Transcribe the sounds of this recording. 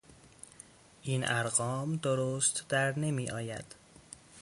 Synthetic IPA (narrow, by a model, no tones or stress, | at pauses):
ʔiːnʔæɾɢɒːmd̪oɾoːst̪d̪æɾne̞miːʔɒːjæ̰d̪̥